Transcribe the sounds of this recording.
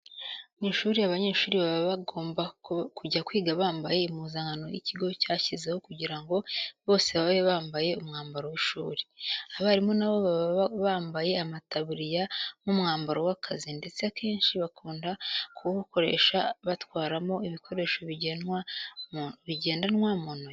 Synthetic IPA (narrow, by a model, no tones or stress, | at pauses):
niʃuːɾijaβaɲe̞ːʃuːɾiβaβaβaɡo̞ːmbakuɟakwiːɡaβaːmbaje̞imuːzaːŋɡano̞jḭciɡo̞caːçizeho̞kuɟiɾaŋɡo̞βo̞ːse̞βaβeβaːmbaje̞umŋaːmbaɾowiʃuːɾi̥aβaːɾimonaβo̞βaββaːmbaje̞amataβuɾijamumŋaːmbaɾowakʰazinde̞t͡seakʰe̞ːnʃiβakuːndakʰuβuko̞ɾe̞̰ʃaβatwaːɾamo̞iβikʰo̞ɾe̞ʃo̞βiɟenwa | βiɟe̞ːndanwamono